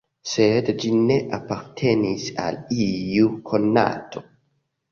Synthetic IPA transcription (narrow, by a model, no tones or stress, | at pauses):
sed̪d͡ʒineʔapaɾt̪ʰenisa̰lijukʰonːa̰t̪ʰo